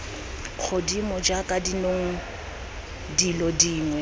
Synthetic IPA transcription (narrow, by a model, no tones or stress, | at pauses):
k͡xʰodimɔd͡ʒakʼadinoŋ̩ | dilɔdiːŋwɛ